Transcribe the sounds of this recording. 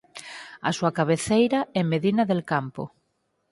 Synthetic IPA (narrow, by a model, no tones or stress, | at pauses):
ɐ̰suakaβeθejɾɐɛmeðinɐðelkampo̰